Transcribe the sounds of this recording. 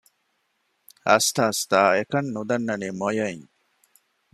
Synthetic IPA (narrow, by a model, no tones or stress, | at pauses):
ɐ̰st̪aːst̪aːekɐnːud̪ɐnːɐniːmojɐiɲ